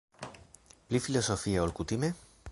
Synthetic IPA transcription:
plifilosofiaolkut̪ime

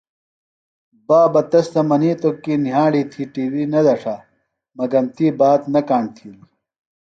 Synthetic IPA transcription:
baːbɐt̪ɐst̪ɐmɐniːt̪okiniɦãːɽiːt̪ʰiːʈiːwiːnɐd̪ɐʂʰaː | mɐɡɐmt̪iːbaːt̪nɐkaːɳɖt̪ʰiːli

